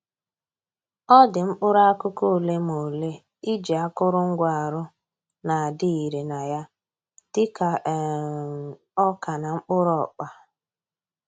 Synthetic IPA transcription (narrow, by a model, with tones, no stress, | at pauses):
ɔ˦dɪ˨ŋ͡m̩˦k͡pʊ˦ɾa˦kʊ˦ko˦o˨le˦mo˨le˦ | i˦d͡ʒi˨a˦kʊ˦ɾʊ˦ŋ̩˦ɡʷa˨ɾʊ˦ | na˨a˨dɪ˦i˨ɾe˨na˨ja˦ | tɪ˦ka˨ | ɔ˦ka˨na˨ŋ͡m̩˦k͡pʊ˦ɾɔ˦˨k͡pa˦